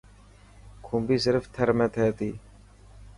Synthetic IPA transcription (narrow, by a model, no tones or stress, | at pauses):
kʰumbiːsɪɾft̪ʰɐɾmeːt̪ʰeːt̪iː